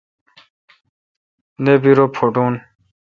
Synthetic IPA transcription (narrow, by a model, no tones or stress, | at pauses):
nebiɾopʰoɖuːn